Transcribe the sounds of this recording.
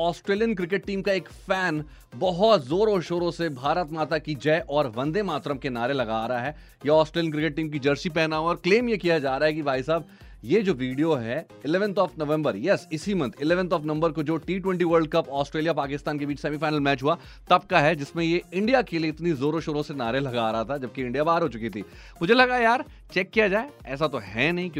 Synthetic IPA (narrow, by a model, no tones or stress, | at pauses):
ɔːsʈɾeːlijənkɾɪk̬eʈ̚ʈiːmkaeːkfɛːn | bɐɦɔt̪zoːɾoːʃoːɾõsebʱaːɾət̪maːt̪akid͡ʒɛʔɔːɾʋɐ̃nd̪emaːt̪ɾəmkenaːɾelɐɡaːɾɐaɦɛː | jeɔːsʈɾeːlijənkɾɪkeʈ̚ʈːiːmkid͡ʒɐɾsip̬ɛɦnaɦoɔːɾkleːmjekijad͡ʒaːɾaːɦɛkibʱaːisaːb | jed͡ʒoːʋiːɖijoɦɛ | ɪlɛːʋə̃nt̪ɔːfnɐʋɛ̃mbəɾjɛsɪsimɐ̃nt̪ʰɪlɛːʋənt̪ɔːfnɐ̃mbəɾkod͡ʒoːʈiːʈwɛ̃ɳʈiʋəɾɖ̚kɐpɔːsʈɾeːlijapaːkɪst̪aːnkebiːt͡ʃsɛːmifaːɪnəlmɛːt͡ʃɦua | t̪ɐb̚kaɦɛd͡ʒɪsmẽjeɪ̃ɳɖijakelieɪt̪nizoːɾoːʃoːɾõsenaːɾelɐɡaːɾɐɦat̪ʰad͡ʒɐb̚keɪ̃ɳɖijabaːɾɦoːt͡ʃʊkit̪ʰḭː | mʊd͡ʒʱelɐɡajaːɾ | t͡ʃɛkːijad͡ʒaːeɛːs̬at̪oɦɛːnɐɦĩkj̃